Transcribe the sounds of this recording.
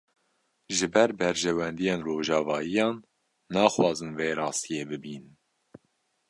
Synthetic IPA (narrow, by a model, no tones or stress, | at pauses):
ʒɨbɛɾbɛɾʒɛwɛnd̪ijeːnroːʒɑːvɑːjijɑːnː | ɑːxwɑːzɨnveːɾɑːst̪ijeːbɨbiːn